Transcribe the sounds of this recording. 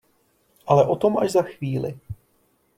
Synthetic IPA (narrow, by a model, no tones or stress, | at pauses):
ʔalɛʔo̞t̪o̞mʔaʒzaxviːlɪ̰